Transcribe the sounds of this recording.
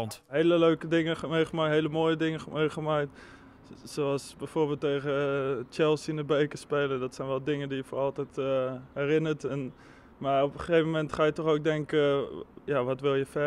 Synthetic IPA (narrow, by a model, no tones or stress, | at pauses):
ntɦejləløɥkədɪŋəəmejχəmaɦejləmoːjədɪŋəmejχəmakt | soɑlˠsbɛjfoːrbeːlˠtːejχət͡ʃɛlˠsinəbeːkəspeːlədɔtsɛjnʋɛlˠdɪŋəndijəfoːrɑlˠtɛjthɛrɪnəɹtɛn | maɔpəəejvəmɛntχaːjətɔχowk̚dɛŋkəjaʋɔtʋɪlˠjəfɛ